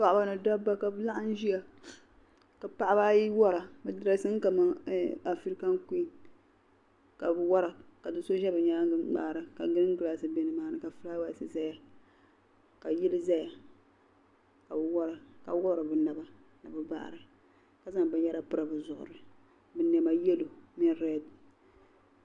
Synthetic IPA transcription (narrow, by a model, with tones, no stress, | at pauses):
k͡pa˦ʔʊ˦ba˦nɨ˨da˦bːa˦ka˨bɨ˦la˦ʔa˦n̩˦ʒi˦ja˦ | ka˨pa˦˨ʔa˦ba˦ji˦wɔ˦ɾa˨bɨ˨dɨ˦ɾa˦sɨ˦ŋ˦ka˨ma˦a˨fi˦ɾi˦ka˦ŋ˦ku˦i˦ | ka˨bɨ˨wɔ˦ɾa˨ka˨dɨ˦nso˦ʒɛ˦bɨ˨ɲaː˦ɡɨ˦ɡ͡ba̰ː˦˨ɾɨ˨ka˨ɡɨ˦ɾɨ˦ŋ˦ɡɨ˦la˨sɨ˨be˦nɨ˨maː˦nɨ˨ka˨fɨ˦ɾa˦wa˦˨sɨ˦˨za˦ja˨ | ka˨ji˦lɨ˦za˦ja˨ | ka˨bɨ˨wɔ˦ɾa˨ka̰˨˦wɔ˦ɾa˨bɨ˨na˨ba˦ | nɨ˨bɨ˨ba̰ː˦ʔɾɨ˨ | ka˨za˨ŋbɨ˦n˦ja˦ɾa˨pɨ˦ɾa˨bɨ˨zʊ˨ʔʊ̰˨ɾɨ˨ | bɨ˨nɛ˨ma˨jɛ˦lo˨mɛ˦nɾɛ˦˨d